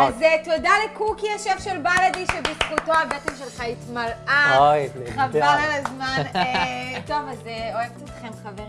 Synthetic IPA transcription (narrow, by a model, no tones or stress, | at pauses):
azetodalekukiaʃevʃelbaladiʃebisχuto̞abetemʃelχaitmalaoχavaʁalazmanneto̞vazeoevetot̪χemχaveʁ